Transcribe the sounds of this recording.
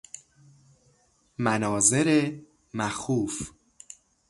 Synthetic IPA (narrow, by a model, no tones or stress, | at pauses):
mænɒːzeɾe | mæxuːf